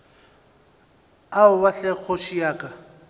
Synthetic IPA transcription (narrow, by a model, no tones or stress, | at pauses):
aʊbaɬɛk͡xʰot͡ʃʰiaːkʼa